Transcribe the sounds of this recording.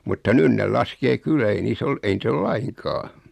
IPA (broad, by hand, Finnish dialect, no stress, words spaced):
mutːɑ nyn nel lɑskeː kylːæ ei niːs ol ei nit ol lɑiŋkɑː